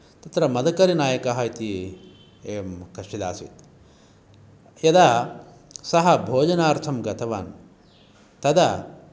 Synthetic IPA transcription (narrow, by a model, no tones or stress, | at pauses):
t̪ɐt̪ɾɐmɐd̪ɐkɐɾinaːjɐkɐɦɐjt̪i | eːɐmkɐʂid̪a̰ːsʋḭt̪ | jɐd̪aː | sɐɦɐbʱoːd͡ʒɐnaːɾt̪ʰɐmɡɐt̪ʰɐʋaːn | t̪ɐd̪ɐ